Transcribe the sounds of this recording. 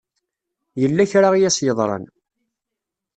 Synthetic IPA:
jəlːæçɾaʁijæsjəðˤɾˤɑ̰n

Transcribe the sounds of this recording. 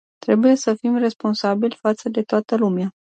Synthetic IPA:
t̪ɾe̞buje̞səfimre̞spo̞nsabilʲfat̪səd̪e̞t̪oat̪əlumea

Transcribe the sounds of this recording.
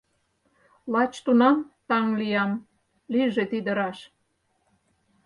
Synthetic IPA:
lɑt͡ɕt̪unɑmt̪ɑŋlijɑm | liʒet̪id̪ə̆ɾɑʃ

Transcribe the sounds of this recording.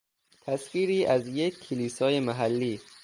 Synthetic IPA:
t̪ʰæsfiːɾiːʔæzjekʰːeliːsɒːje̞mæɦælːiː

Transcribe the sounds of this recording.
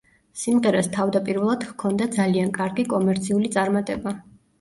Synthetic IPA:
simʁɛɾɛst̪ʰavd̪apʼiɾvɛlˠad̪̥hkʰɔnd̪ad̪zaliankʼaɾɡikʼɔmɛɾt̪sʰiulit̪sʼaɾmat̪ʼɛba

